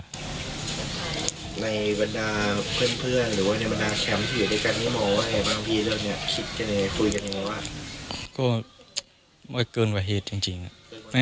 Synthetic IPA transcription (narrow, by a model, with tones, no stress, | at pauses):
na˧jba˧ndaː˧pʰɯ˥˩ənpʰɯ˥˩ənɾɯː˩˦waː˧˩na˧jba˧ndaː˧kʰɛ˧˥mt̪ʰiː˧juː˨˩daː˥˧˩ka˧niː˧˥˩mɔː˧˦wa˧˥˩a˨˧˩baː˧ŋpʰiː˧lɯː˧˩tni˥˩ɐkʰi˦˥t̪̚ka˧˩na˧kʰu˧jka˧ni˧˩a˧˦waː˧˩t̪̚kɔː˥˩ | maː˧˩kɤː˧nwaː˧˩ɦeː˨˩t̪̚t͡ɕi˧ŋt͡ɕi˧ŋa˨˩ma˥˩